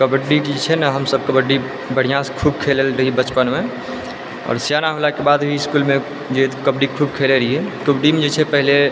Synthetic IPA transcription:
kəbəɖːikid͡ʒt͡ʃʰɛnaɦəmsəb̚kəbəɖi | bəɽ̤ijãskʰuːbkʰeləlɾəɦibət͡ʃpənmẽ | ɔ̰ːɾsjanaɦolakebaːd̪bʱiɪskulmẽ | d͡ʒet̪kəbɖikʰuːb̚kʰeleɾəɦiɦɛkəbɖimẽd͡ʒet͡ʃʰɛpəɦle

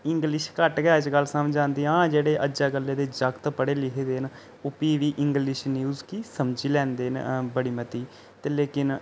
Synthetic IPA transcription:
ɪŋɡlɪʃkəʈɡɛːd͡ʒɡəlsəmd͡ʒãːnd̪iːãːd͡ʒeːɽeːʔəd͡ʒaːɡəlːeːd̪eːd͡ʒəɡt̪pəɽeːlɪkʰed̪eːn | ʊpiːʋiːʔɪŋɡlɪʃnjuːzkiːsəmd͡ʒiːlɛ̃ːnd̪eːnbəɽiːmət̪iː | t̪eːleːkɪn

